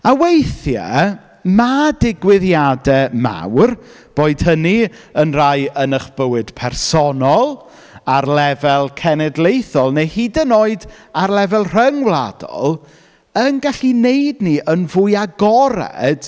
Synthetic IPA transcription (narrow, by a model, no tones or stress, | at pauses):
awejθja̰ | madɪɡwɪðjadɛma̰wr | b̥oːɨd̥həniənrajənəχb̥əwɨd̥pʰɛrsɔnɔlˠ | arlɛvɛlˠkʰɛnɛdlˠejθɔlˠnejhidənoːɨdarlɛvɛlˠr̥əŋwlˠa̰dɔ̰lˠ | ənɡaɬinejdniʔənvʊjaɡɔɾɛ̰d̥